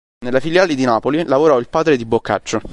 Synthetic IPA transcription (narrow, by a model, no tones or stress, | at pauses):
nelːafiljaːled̪inaːpolilavoɾɔilpaːd̪ɾed̪ibokːa̰t͡ʃːo